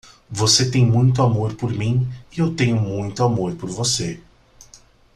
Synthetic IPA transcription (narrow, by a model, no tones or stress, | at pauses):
voset̪ẽj̃mũj̃t̪̬ʊamoɾpoɾmĩɪewt̪ẽjʊmũj̃t̪ʊamoɾpoɾvose